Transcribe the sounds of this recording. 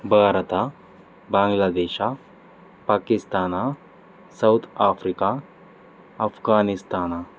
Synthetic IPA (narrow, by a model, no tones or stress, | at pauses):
bʱaːɾət̪a | bãːŋɡlaːd̪eːʃa | paːkist̪aːna | sɐwt̪ʰaːfɾika | ɐfɡaːnist̪aːna